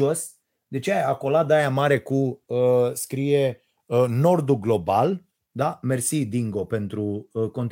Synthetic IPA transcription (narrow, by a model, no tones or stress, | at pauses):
os | d̪e̞t͡ʃejaako̞lad̪ajamaɾe̞kuəskɾije | no̞rd̪uɡlo̞bal | d̪ame̞rsid̪iŋɡo̞pe̞nt̪ɾuəko̞nt̪